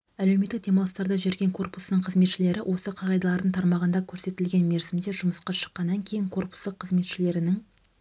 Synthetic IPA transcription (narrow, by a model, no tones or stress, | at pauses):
ælewmet̪ːɪk̚d̪e̞mɑlˠəst̪ɑɾd̪ɑʒe̞ɾɡʲeŋkʰo̞rpusənəɴqʰəzme̞t̪ʃɪle̞ɾɪwʔo̞səqʰɑʁɑjd̪ɑlˠɑɾd̪əɴt̪ʰɑɾmɑʁənd̪ɑkʲʰɵɾse̞t̪ɪlɡʲe̞nme̞ɾzɪmd̪e̞ʒʊməsqɑʃə̥qːɑnːɑŋkʲʰe̞jɪŋkʰo̞rpu̥sd̪əqʰːəzme̞t̪ʃɪle̞ɾɪnɪŋ